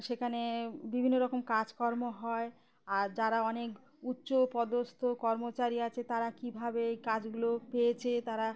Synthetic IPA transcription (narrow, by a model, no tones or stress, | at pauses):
ʃekʰanebibʱinːoɾɔkomkad͡ʑkɔɾmoɦɔe | aɾd͡ʑaɾaɔnek | utːɕopɔd̪ost̪ʰokɔɾmot͡ɕaɾiat͡ɕʰet̪aɾakibʱabeejkad͡ʑɡulopejet͡ɕʰet̪aɾa